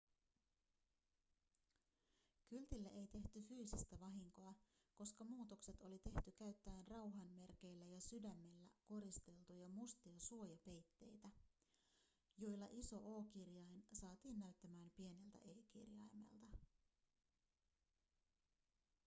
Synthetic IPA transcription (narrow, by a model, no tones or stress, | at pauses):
kylt̪ilːeʔe̞jt̪e̞ht̪yfyːsist̪æʋɑɦiŋko̞ɑ | ko̞skɑmuːt̪o̞kset̪o̞lit̪e̞ht̪ykæɥt̪ːæːnrɑwɦɑnme̞rke̞jlːæjɑsydæmːe̞lːæ̰ko̞ɾist̪e̞lt̪ujɑmust̪iosuo̞jɑpe̞jt̪ːe̞̰jt̪æ | jo̞jlːɑʔiso̞ʔo̞ːkirjɑjnsɑːt̪iːnːæɥt̪ːæmæːmpie̞ne̞lt̪æ̰ʔe̞ːkḭrjɑ̰jmḛlt̪ɑ